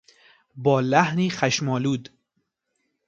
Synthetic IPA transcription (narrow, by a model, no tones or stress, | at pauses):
bɒːlahniːχaʃmɒːluːd̪